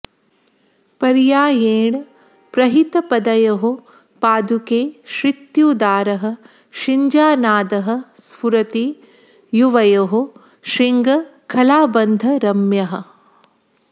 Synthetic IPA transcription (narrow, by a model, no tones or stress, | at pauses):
pɐɾjaːjeːɳ | pɾɐɦit̪ɐpɐd̪ɐjɐɦu | paːd̪ʱukeːʃɾit̪juːd̪aːɾɐɦɐ̆ | ʃiɲd͡ʒaːnaːd̪ɐɦɐ̆spuɾɐt̪i | juʋɐjɐɦu | ʃɾiŋɡɐkʰɐlaːbɐnd̪ʱɐɾɐmjɐɦɐ̆